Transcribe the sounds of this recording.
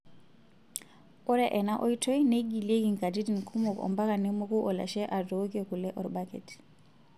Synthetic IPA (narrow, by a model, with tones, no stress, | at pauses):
ɔ˦ɾɛʔɛ˨na˦ʔɔ˦itʰɔ˦jneɡi˨lie˦kiŋka˨di˦di˨nkʰumɔ˨kɔ̰mba˦kanɛmo˦ku˦ʔɔ˨la̰˨ʃɛʔa˨dokiɔ˨ku˨lɛ˦ʔɔ˨ɾbakɛ̰t